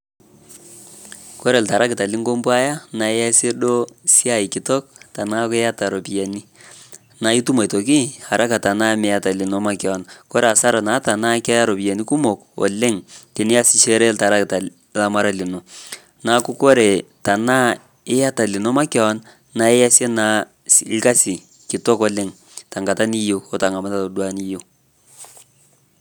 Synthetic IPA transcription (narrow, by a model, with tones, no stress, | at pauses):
kɔ˦ɾe˨lta˨ɾa˦kɪ˨ta˨lɪ˦ŋɡo˦mbu˦a˦ja˦na˨ɛ˦ja˦se˦ɗo˦si˦a˦˨ɪ˨kɪ˨tɔ˦k̚ta˨na˦kɛ˦ja˦ta˨ɾo˨pi˨ja˨ni˦ | na˨˦i˦tu˦ma˨to˨k̬i˦a˨ɾʔa˦ka˨ta˨na˦mɛ˨a˦˨ta˨lɪ˨no˨ma˦kɔ˨˦nkɔ˦ɾe˨a˨sa˦ɾa˨na˨˦ta˨na˦kɛ˦a˦ɾo˨pi˨a˨ni˦ku˦mo˨kɔ̰˨lɪ˦ŋte˨nɪ˦a˦sɪ˦ʃe˦ɾɛ˦lta˨ɾa˦kta˨ | la˦ma˦ɾa˦lɪ˨no˨ | na˨˦ku˦ko˦ɾe˨ta˨na˦ | ɪ˦a˦ta˨lɪ˨no˦ma˦kɔ˦ɔ˦n | na˦ɛ˦ja˦sje˦na˦ | ɪ˦ka˦sɪ˨ | kɪ˨tɔ˦kɔ˨˦lɪ˦ŋ | ta˨ŋɡa˨ta˦ni˦jo˦ɔ˨ta˨ŋa˨ma˦ta˨o˨dwa˦ni˦jo˦